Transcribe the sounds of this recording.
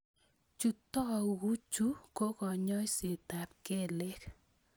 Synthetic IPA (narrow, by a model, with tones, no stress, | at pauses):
t͡ʃu˨tɔ˦˨wu˦t͡ʃu˦ko˦kɔ˨ɲɔ˦ɪ˦se˨ta˨p̚ke˦˨le˦k